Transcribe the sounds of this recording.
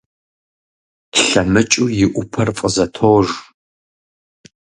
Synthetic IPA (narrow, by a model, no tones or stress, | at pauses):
ɬɐmɨt͡ʃʼujɪʔʷʊpʰɐrfʼəzɐtʰoːʒ